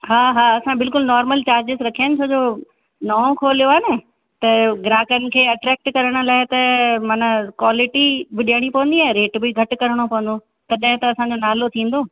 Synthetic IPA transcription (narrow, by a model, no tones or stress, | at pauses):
ɦaːɦaːɐsãbɪlkʊlnɔːɾməlt͡ɕaːɾd͡ʑɪsɾɐkʰijənɪ̆t͡ɕʰoːd͡ʑoː | nɐːõkʰoːlijoaːne | t̪ɐɡɪɾaːkənɪ̆kʰeːɐʈɾɛːk̚ʈkɐɾəɽ̃ʊ̆laːɪt̪ɐmɐnəkwaːlɪʈibɪɗiəɽ̃ipɐʋə̃nd̪iaːɦɾeːʈbɪɡʱɐʈ̆kɐɾəɽ̃opɐʋə̃n̆d̪o | t̪ɐɗɐ̃ɦɪ̃t̪ɐɐsãɲd͡ʑoːnaːlot̪ʰĩːn̆d̪oː